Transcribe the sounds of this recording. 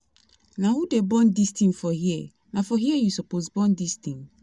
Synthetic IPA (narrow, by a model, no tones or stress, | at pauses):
nãwudebɔ̃ndistĩnfɔhiɛ | nãfɔɦiɛjusupos̬bɔ̃ndistʰĩn